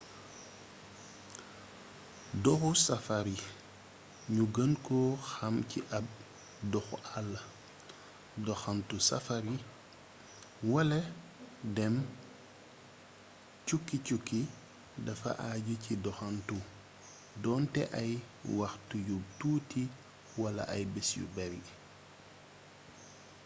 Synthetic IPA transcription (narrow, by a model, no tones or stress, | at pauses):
dɔxusɐfaɾi | ɲuɡənkɔxɐmcḭʔɐb̚ | dɔxuʔalːɐ | dɔxɐntusɐ̰faɾi | wɐlɐ | dɛm | cukːicukːi | dɐfɐ̰ʔaːɟucidɔxantu | dɔːntɛʔɐj | wɐxtujutuːti | wɐlɐ̰ʔɐjbɛsjṵbɛɾi